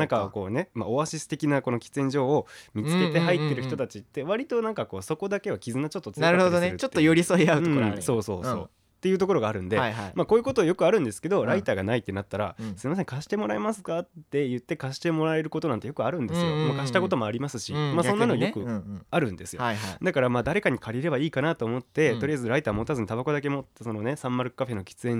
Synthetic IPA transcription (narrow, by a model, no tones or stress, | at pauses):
nãŋkako̞̰ːne̞ma̰o̞βaɕisɨ̥t̪e̞kʲinako̞no̞kʲi̥t͡sẽ̞ɲ̟d͡ʑo̞ːomʲit͡sɨ̥ke̞t̪e̞ɦait̪ːe̞ɾɯ̟çi̥t̪o̞t̪at͡ɕit̪ːe̞βaɾʲit̪o̞nãŋkako̞ːso̞ko̞d̪ake̞βakʲizɨnat͡ɕo̞t̪ːot͡sɨaɾɯaod̪oneɾɯt͡ɕot̪ːojoɾʲisoiaɯɯ̃so̞ːso̞ːso̞̰ː | t̪ːejɯ̟ːt̪o̞ko̞ɾo̞ɡaːɾɯ̟̃nd̪e̞amako̞ːjɯ̟ko̞t̪o̞ːjokɯ̟aɾɯ̟̃nd̪e̞sɨ̥ke̞d̪o̞ɾait̪aːɡanait̪ːe̞nat̪ːaɾa̰sɨɾemas̬e̞ŋkaɕi̥t̪e̞mo̞ɾae̞masɨ̥kat̪ːe̞jɯ̟t̪ːe̞kaɕi̥t̪e̞mo̞ɾae̞ɾɯ̟ko̞t̪o̞nãnt̪e̞jokɯ̟aɾɯ̟̃nd̪e̞sɨjomokaɕi̥t̪ako̞t̪̬o̞mo̞aɾʲimasɨɕimaso̞nːanojokɯ̟aɾɯ̟̃nd̪e̞sɨjojd̪akaɾamaːd̪aɾe̞kaɲ̟ikʰaɾʲiɾe̞βaiːkanat̪o̞ːmo̞t̪ːe̞t̪o̞ɾʲijaezɨɾait̪aːmot̪azɨɲ̟it̪abako̞d̪ake̞mo̞so̞no̞ne̞sãmːaɾɯ̟kɯ̥kːaɸe̞no̞kʲi̥t͡sɨẽ̞ɲ